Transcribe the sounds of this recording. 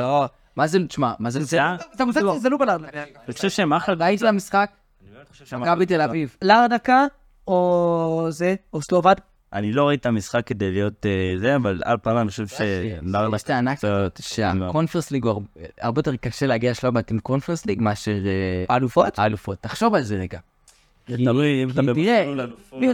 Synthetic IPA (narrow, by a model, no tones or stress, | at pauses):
o | mazetʃmamazezeazamuazelukolaʁdakniχoʃevʃemaχalvait̪itamisχak̚ | kabitelavivlaʁd̪aka | ozeoslovad̪ | aniloʁaitamisχakːed̪ejlijo̞tzeavala̰lpaːmaniχoʃevʃelaʁd̪ʃt̪eanakʃea̰konfeʁsliɡoaʁa̰ʁbejoteʁkaʃeleaɡiaʃlobat̪imkonfeʁsliɡmaʃeʁealufotaalufot̪ːaχʃo̞valzedeɡa | eaidat̪ie